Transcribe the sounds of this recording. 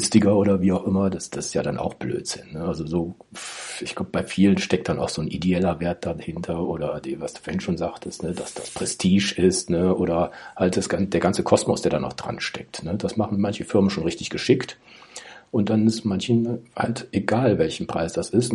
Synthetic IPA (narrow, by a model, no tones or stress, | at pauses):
stɪɡɐʔoːɾɐviːaʊxʔɪmɐdasd̥assjaːdanʔa̰ʊxb̥lø̰ːtz̥ɪnːəʔalzozoː | ɪçɡ̥laʊbəb̥aɪfiːlənʃtɛk̚t̚d̥anʔaʊxz̥oːnʔideɛlɐveːɐt̚d̥ahɪntʰɐʔoːɾɐdevasd̥u̥foːɐɪnʃoːnzaːχtʰəstnəd̥asd̥aspʁ̥ɛstʰiːʃɪstnəʔoːɾɐhalt̚d̥asɡ̥and̥eːɐɡant͡səkʰɔsmɔsd̥eːɐdaːnaʊd̥ʁa̰nʃtɛ̰k̚tnəd̥asmaχn̩mançəfɪɐmənʃoːnʁɪçtɪçɡ̥əʃɪkt | ʔʊnt̚d̥anɪsmançha̰ltʔeɡaːlvɛlçn̩pʁ̥aɪsd̥asɪst